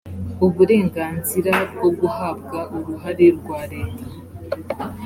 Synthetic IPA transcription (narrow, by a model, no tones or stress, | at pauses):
uβuɾe̞ːŋɡaːnziɾaɡo̞ɡuhab̚ɡaʔuɾuɦaɾeɾɡwaːɾeːtʰa